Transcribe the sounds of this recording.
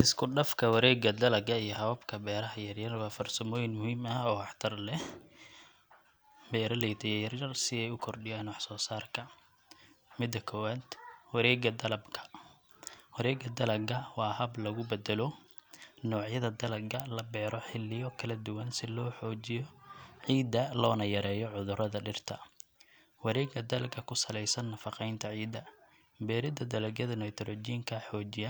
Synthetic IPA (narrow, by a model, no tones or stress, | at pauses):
ʔɪskʰʊɖɐfkʰɐwɐɾɛːɡɐd̪ɐlɐɡɐijɔɦɐβɐbkʰɐbɛːɾɐɦɐjɐrjɐrwɑːfɐrsɐmɔːjɪnmʊhiːmɐɔːwɑħt̪ʰɐrlɛ | bɛːɾɐlɛjt̪ʰɛjɛjɐrjɐrsɪðɛjʊkʰɔrɖɪjaːnwɑħsɔːsaːrkʰɐ | mɪd̪ɐkʰɔwat̪wɐɾɛːɡɐd̪ɐlɐbkʰɐ̥ | wɐɾɛːɡɐd̪ɐlɐɡɐwɑːɦɐblɐɣʊbɛd̪ɛlɔ | nɔːʕjɐðɐd̪ɐlɐɡɐlɐbɛːɾʔɔħɪlːɪjɔkʰɐlɐd̪ʊwɐnsɪlɔːħɔːt͡ʃɪjɔʕiːd̪ɐlɔːnɐjɐɾɛːjɔʕʊðʊɾɐðɐɖɪrt̪ʰɐ | wɐɾɛːɡɐd̪ɐlɐɡʰɐkʰʊsɐlɛjsɐnːɐfɑqɛjnt̪ʰɐʕiːd̪ːɐ | bɛːɾɪd̪ɐd̪ɐlɐɡjɐðɐnɐjt̪ʰɾɔd͡ʒiːŋkʰɐħɔːt͡ʃɪjɐ